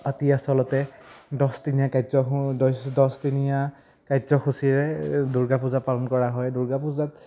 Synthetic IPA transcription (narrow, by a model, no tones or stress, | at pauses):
patiasɔlɔtɛdɔstinijakajzɔdɔsdɔstinija | kajzɔxusiɹɛduɹɡapuzapalɔnkɔɹaɦɔjduɹɡapuzat̚